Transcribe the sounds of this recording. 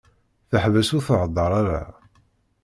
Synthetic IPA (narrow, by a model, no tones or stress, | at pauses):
θəħvæsʊθʕəd̪ˤːəɾˤaɾa̰